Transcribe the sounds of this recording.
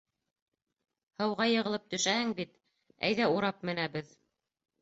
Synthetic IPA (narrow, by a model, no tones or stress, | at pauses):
hɤ̆wʁɑjɤ̆ʁɤ̆lˠɤp̚t̪ɵ̆ʃæhɘŋbit̪ | æ̰jðæuɾɑp̚mɘ̆næbɘð